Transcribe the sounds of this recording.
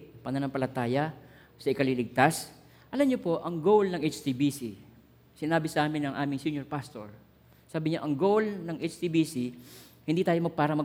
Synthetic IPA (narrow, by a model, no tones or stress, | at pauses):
pɐnɐnɐmpɐlɐt̪aːjɐ | sɐʔɪkɐliːlɪɡ̚t̪as | ʔɐlɐmɲopo̞ʔɐŋɡowlnɐŋʔet͡ʃt̪ibisi | sɪnaːbɪsɐʔaːmɪnɐŋʔaːmɪŋsjunjoɹpast̪o̰ɹ | saːbɪɲaʔɐŋɡowlnɐŋʔet͡ʃt̪iːbiːsi | hɪnd̪iːt̪aːjo̞mɐɡ̚paːɾɐmɐ